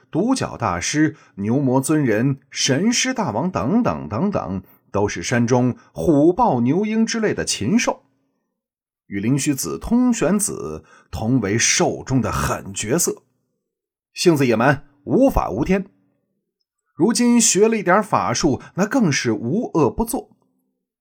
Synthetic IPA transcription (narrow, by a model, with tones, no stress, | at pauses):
t̪u˧˥t͡ɕjɑ̰˨˩ʊt̪a̰˥˩ʂɻ̩˥ | njo˧˥ʊmwɔ˧˥t͡swə˥nɻə˧˥nʂə˧˥nʂɻ̩˥t̪a˥˩wɑ˧˥ŋt̪ɤ˧˥ŋt̪ɤ̰˨˩ŋt̪ɤ˧˥ŋt̪ɤ̰˨˩˦ŋ | t̪o˥ʊʂɻ̩˥˩ʂa˥nʈ͡ʂʊ˥ŋxu˨˩pɑ˥˩ʊnjo˧˥ʊi˥ŋʈ͡ʂɻ̩˥le˥˩ɪd̪ə˩t͡ɕʰi˧˥ŋʂo˥˩ʊ | y˨˩li˧˥ŋɕy˧˥t͡sɹ̩˨˩t̪ʰʊ˥ŋɕɥɛ˧˥nt͡sɹ̩̰˨˩˦ | t̪ʰʊ˧˥ŋwe˧˥ɪʂo˥˩ʊʈ͡ʂʊ˥ŋd̪ə˨xə̰˨˩nt͡ɕɥɛ˧˥sɤ˥˩ | ɕi˥˧ŋt͡sɹ̩˧˩jɛ˨˩mə˧˥n | u˧˥fa̰˨˩u˧˥t̪ʰjɛ˥n | ɻu˧˥t͡ɕi˥nɕɥɛ˧˥lə˧i˥˩t̪jɐ˧˥fa̰˨˩ʂu˥˩na˥˧kɤ˥˧ŋʂɻ̩˥˩u˧˥ɤ˥˩pu˧˥t͡swɔ˥˩